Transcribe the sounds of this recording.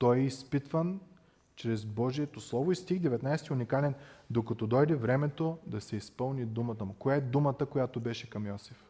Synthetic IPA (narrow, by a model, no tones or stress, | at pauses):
t̪ɔjɛispit̪vən | t͡ʃɾɛzbɔʒiɛt̪oslˠɔvoist̪ixd̪ɛvɛt̪najst̪iʊnikalɛnd̪okɐt̪ɔd̪ɔjd̪ɛvɾɛmɛt̪od̪ɐsɛispɤlˠnid̪umɐt̪əmukojaɛd̪umət̪əkojat̪obɛʃɛkɐmjɔsif